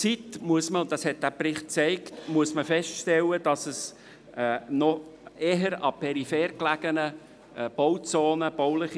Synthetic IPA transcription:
t͡sitmuəsməʊnd̥ɑshɛt̚d̥æːpɾɪχt̚t͡sɛɪktmuəsməfɛstʃtɛləd̥ɑsəs | nɔeːɦəɾɑpʰɛɾifɛːɾklæɡ̥ənə | b̥owt͡soːnəb̥oʊlɪχi

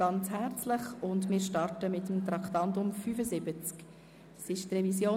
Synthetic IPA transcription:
ɑnt͡shæɾt͡sləχʊndmɪːɾʃtɑrtəmɪtəmt̪ɾɑktɑntʊmfyːfəzɪbət͡sk | sɪʃt̪rɛvisjoː

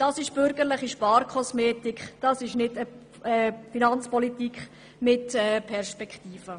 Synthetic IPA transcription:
d̥ɑsɪʃb̥ʏɾɡəɾlɪχiʃpɑːɾkʰɔsmeːtikχd̥ɑsɪʃnɪdə | ɛfinɑnt͡spɔlitikχ | mɪtɛːpʰɛɾʃpɛkχtiːfə

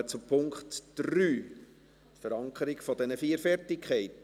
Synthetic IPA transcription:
ət͡supʰʊŋkχtd̥ɾyː | tfəɾɑŋkʰəɾɪkfɔdɛnəfiːəɾfɛrtɪkʰχɛɪt

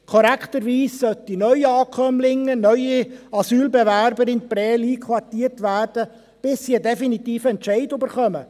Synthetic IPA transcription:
kʰɔɾækχt̪əɾʋiːssœt̪inœʏiɑːkʰœmlɪŋːənœʏjiɑsyːlbɛvæɾbəɾɪnpɾɛːliːkʰwɑtiːərtʋæːrd̥ə | b̥ɪsːiədɛfinit̪iːfəɛntt͡ʃɛɪdybəɾχœmə

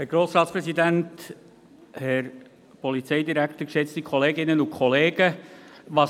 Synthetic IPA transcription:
hɛɾɡ̥ɾoːsɾɑːtspɾɛsidænt | hɛɾ | pɔlit͡sɛɪdiɾækt̪əkʃɛt͡stikʰɔleːɡɪnənʊkʰχɔleːɡəvɑs

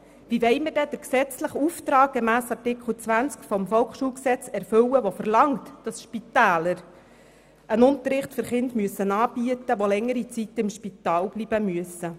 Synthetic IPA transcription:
ʋiʋɛɪmədɛd̥̪əɾksɛt͡sləχuft̪ɾɑːk̚ɡ̥emæːsɑrtɪkχəl̩t͡sʋænt͡skfɔmfɔwkχʃuːlksɛt͡sɛɾfɵwəʋofərlɑŋt̪d̥ɑsʃpit̪æːləɾ | ʔənʊnt̪əɾɪχtfʏɾχɪntmyəsːənɑːbiətəʋolɛŋːəɾit͡sit̪ɪmʃpit̪ɑːlb̥lib̥əmyəsə

